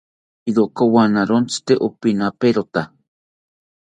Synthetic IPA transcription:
iɾoʔkowanaɾont͡si̥t̪eʔopinapeɾot̪a

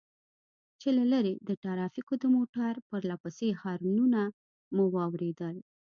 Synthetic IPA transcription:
t͡ʃelalaɾed̪əʈaɾɑfikod̪əmoʈaɾpəɾlapəsexɑɾununa | muwɑwɾed̪əl

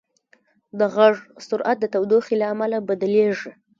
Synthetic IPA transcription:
d̪əɣaʐsʊɾʔat̪̚d̪ət̪awd̪oxilaːmalabad̪əleʐi

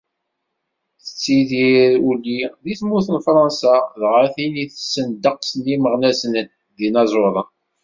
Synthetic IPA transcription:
θə̥t͡sːiðiɾulːiðiθmuθənfɾˤɑnsɑðʁəθiliθə̥sːənd̪əqsniməʁnæsnən | ðinɑzˤoðˤən

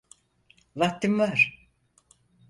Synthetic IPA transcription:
vat̪ːɯmvaɾ̥

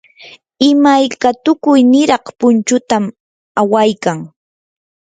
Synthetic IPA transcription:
ɪmajkat̪ʊkʊjnɪɾɑχpʊnt͡ʃʊt̪am | awajkaŋ

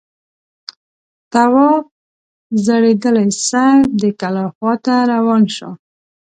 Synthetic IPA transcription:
t̪awɔ | zaɽed̪əlajsad̪əkalɑxwɑt̪aɾawɑnʃo̰

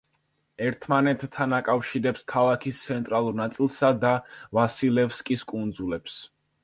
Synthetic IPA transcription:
ɛɾt̪ʰmanɛt̪ʰːanakʼafʃiɾɛpskʰalˠakʰist̪sʰɛnt̪ʼɾalˠuɾnat̪sʼilˠsad̪avasilɛfskʼiskʼund̪zulɛps

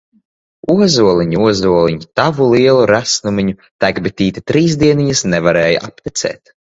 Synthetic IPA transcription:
uɔzuɔlˠiɲuuɔzuɔlˠiɲut̪avuliɛlˠuɾæsnumʲiɲu | t̪æɡbit̪ʲiːt̪it̪ɾiːzd̪iɛniɲasnɛvaɾɛːja̰ʔapt̪ʲit̪sɛ̰ːt̪

